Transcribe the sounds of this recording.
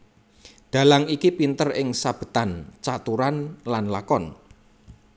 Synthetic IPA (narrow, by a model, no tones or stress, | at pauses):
d̪̥ä̤laŋikipint̪ərɪŋsab̥ə̤t̪ant͡ʃat̪uɾanlanlakɔn